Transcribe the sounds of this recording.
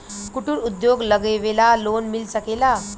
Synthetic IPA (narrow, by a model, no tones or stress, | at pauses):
kuʈuɾud̪joɡləɡeʋelalonmilsəkela